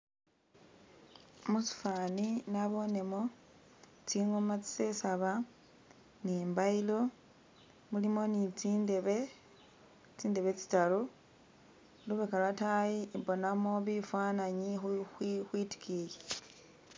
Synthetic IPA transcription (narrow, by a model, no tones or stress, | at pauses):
musu̥faːninaβo̞ne̞mo̞ | t͡siŋomat͡si̥sesaβa | nimbailo̞ | mulimo̞nit͡sindeβe | t͡siːnde̞βe̞t͡si̥talu | luβekalwatajibo̞namo̞βifwaːnaɲixxwixwiti̥kʰile